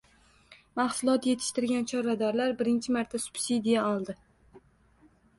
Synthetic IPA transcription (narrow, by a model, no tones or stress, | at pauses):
mahsʊlˠɒt̪je̞t̪ʰɪ̥ʃt̪ɪɾɡʲant͡ʃʰɒɾad̪aɾlaɾbɪɾɪnt͡ʃʰɪmaɾt̪ʰasʊ̥b̥sid̪ijaɒlˠd̪ɪ